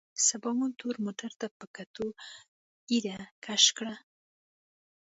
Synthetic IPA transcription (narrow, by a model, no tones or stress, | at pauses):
sabɑmunt̪oɾmoʈaɾt̪apəkat̪o | iɾakʰaʃkɽa